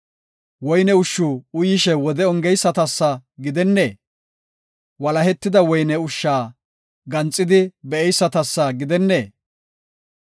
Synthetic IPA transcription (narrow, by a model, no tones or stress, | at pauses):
wɔjnɛʊʃːʊʊjɪʃɛwɔd̪ɛɔŋɡɛjsːɐt̪ɐsːɐɡɪd̪ɛnːeː | wɐlɐhɛt̪ːɪd̪ɐwɔjnɛʊʃːaː | ɡɐnt͡sʼːɪd̪ɪbɛɛjsːɐt̪ɐsːɐɡɪd̪ɛnːeː